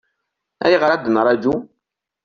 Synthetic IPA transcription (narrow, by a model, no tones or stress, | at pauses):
a̰jɣaadənaɾad͡ʒu